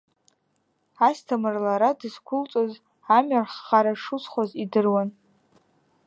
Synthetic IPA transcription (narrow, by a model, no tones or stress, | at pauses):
astʰamɨrlaɾadɨskʷʰʊlt͡sʼoz | amɥarχːaɾaʂusχʷazidɨrwan